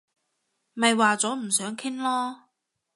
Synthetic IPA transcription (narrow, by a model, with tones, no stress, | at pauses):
mɐ˨jwaː˨t͡sɔː˨˥m̩˨˩sœː˨˥ŋkʰɪ˥ŋlɔː˥